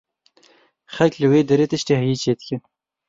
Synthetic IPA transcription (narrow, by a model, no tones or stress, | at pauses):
xɐlklɨweːd̪ɐɾeːt̪ɨʃt̪eːhɨjiːt͡ʃʰeːd̪̚kɪn